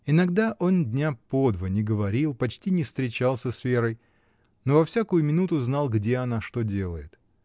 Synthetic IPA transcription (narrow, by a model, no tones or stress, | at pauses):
ɪnɐɡd̪aʔo̞ndʲnʲapo̞d̪vənʲɪɡəvɐɾʲilˠpɐt͡ɕtʲinʲɪfst̪ɾʲɪt͡ɕalˠsʲəsvʲe̞ɾəj | no̞vɐfsʲakʊjʊmʲɪnut̪ʊznɑlˠɡdʲe̞ɐnaʂt̪o̞dʲe̞lˠəjɪt̪